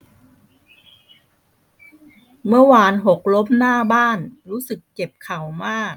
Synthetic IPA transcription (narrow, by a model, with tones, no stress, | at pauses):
mɯ˥˩ɐwaː˧nɦo˨˩k̚lo˦˥p̚naː˥˩baː˥˩nɾuː˦˥sɯ˨˩kːe˨˩p̚kʰa˨˩wmaː˥˩k̚